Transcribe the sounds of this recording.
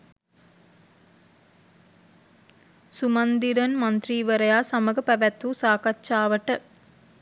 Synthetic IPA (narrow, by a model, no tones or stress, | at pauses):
sumɐnd̪iɾənmɐnt̪riːʋəɾəjaːsaməɡəpæʋæt̪ːuːsaːkatːt͡ʃaːʋəʈə